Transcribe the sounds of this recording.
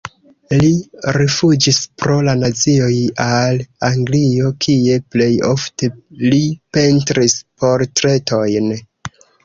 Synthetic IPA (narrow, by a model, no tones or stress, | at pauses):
liɾifud͡ʒispɾo̞lanat͡sio̞jalaŋɡlio̞kʰie̞ple̞jo̞̰fte̞lipe̞ntɾispo̞ɾtɾe̞to̞jn